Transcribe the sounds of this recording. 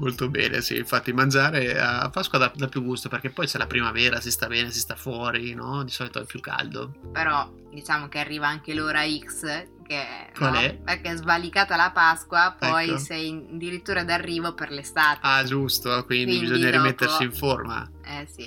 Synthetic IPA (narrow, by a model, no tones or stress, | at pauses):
molt̪obɛ̰ːnḛsḭːɱfat̪ːimand͡ʒaːɾea̰a̰pːaskwad̪ad̪apːjuɡust̪operkepːɔjt͡ʃɛlapɾimavɛːɾasist̪abɛːnesist̪afwɔːɾinɔd̪isɔːlit̪oɛpjukːa̰ld̪o̰peɾɔ | d̪it͡ʃaːmok̟earːiːvaaŋkeloːɾaiks | kekwalɛpekezbalikaːt̪alapaskwapɛɔjosɛjnnd̪iɾit̪ːuːɾad̪arːiːvoperlest̪aːt̪ad͡ʒust̪okwindd̪ibizoɲːaɾimet̪ːeɾsiiɱforma̰ | ɛsi